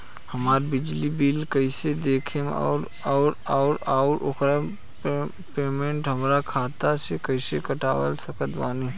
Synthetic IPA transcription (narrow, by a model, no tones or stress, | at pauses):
həmaːɾbɪd͡ʒlibiːlkəɪsed̪eːkʰem̰ɔ̰ːɾ | aːɾaʊɾaʊɾʔo̰kɾa | peːmẽɳʈɦəmɾakʰaːt̪asekəɪsekəʈaːwə̰lsəkət̪ba̰ːni